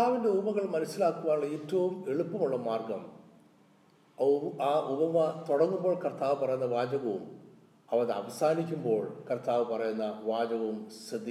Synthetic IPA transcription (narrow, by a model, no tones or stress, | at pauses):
ɐaːʋinde̞ubɐɣɐɭmɐnɐsilaːkːuʋaːnuɭːɐeːtːɐʋume̞ɭupːɐmuɭːɐmaːrɡɐm | aːʔubɐmɐt̪oɽɐŋːumbo̞ːɭkɐrt̪aːʋɨpɐrɐjunːɐʋaːd͡ʑɐɣɐʋum | ɐʋɐðeɐ̰ʋɐsaːnikʲːumbo̞ːɭkɐrt̪aːʋɨpɐrɐjunːɐʋaːd͡ʑɐɣɐʋumsrɨd̪ʱːi